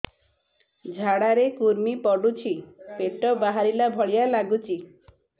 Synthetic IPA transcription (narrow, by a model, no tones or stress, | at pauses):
d͡ʒʱaɽaɾekuɾmipɔɖut͡ʃʰipeʈɔbaɦaɾilabʱɔɭijalaɡut͡ʃʰi